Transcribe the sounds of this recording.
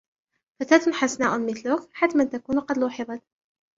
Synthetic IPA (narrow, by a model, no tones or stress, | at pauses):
fat̪aːt̪ʊnħasnaːʔʊnmɪθlʊkħat̪mant̪akuːnqɑd̪luːħɪðˤɑt̪